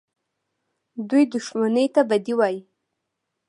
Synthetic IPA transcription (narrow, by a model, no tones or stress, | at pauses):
d̪ujd̪uʃmanəjt̪abad̪iwaji